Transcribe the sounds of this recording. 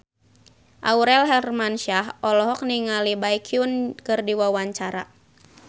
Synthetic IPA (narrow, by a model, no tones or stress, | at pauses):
ʔa̰uɾɛlɦɛrmanʃaɦɔlɔɦɔk̚niŋalibaikʰiunkɨrdiwawaɲt͡ʃaɾa